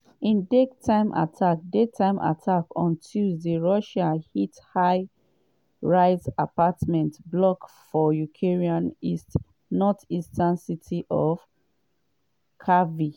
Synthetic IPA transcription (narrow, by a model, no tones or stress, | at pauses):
ĩndektʰãɪ̃mʔa̰tʰak̚detʰãɪ̃mʔa̰tʰakɔ̃ntʰilðəɹɔʃãnhithaɪ | ɹaɪsapatmɛ̃ntblɔkfɔjukʰeɹiãnist | nɔtistãnsitʰiʔɔv | kʰavi